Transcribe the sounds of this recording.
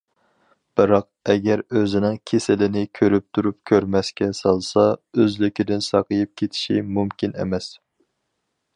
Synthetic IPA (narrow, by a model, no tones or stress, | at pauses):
b̥ɨɾɑq | ɛɡʲɛɾøzɪnɪŋkʲʰesɪlɪnɪkʲʰøɾyp̚t̪ʰuɾup̚kʲʰøɾmɛskʲɛsɑlˠsɑøzlɪkʲid̪ɪnsɑqəjip̚kʲʰet̪ʰɪ̥ʃimumkʲinḛmɛs